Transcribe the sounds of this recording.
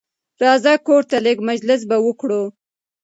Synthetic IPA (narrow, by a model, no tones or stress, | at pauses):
ɾɑzakoɾt̪alɪɡmad͡ʒlɪs̬bawəkɽo